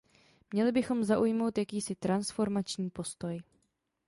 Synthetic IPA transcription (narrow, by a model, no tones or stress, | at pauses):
mɲɛlɪbɪxo̞mzaʔujmo̞wt̪jakiːsɪt̪ɾansfo̞ɾmat͡ʃɲiːpo̞st̪o̞j